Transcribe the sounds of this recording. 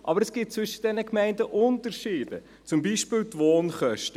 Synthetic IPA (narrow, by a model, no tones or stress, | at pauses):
ʔɑbəɾɛsɡ̥ɪt̚t͡svʏʃə̥d̥ɛnəkmɛɪndəʔʊntəɾʃiːbə̰ | t͡sʊmbiːʃpɪːlt̪voːnχœʃtə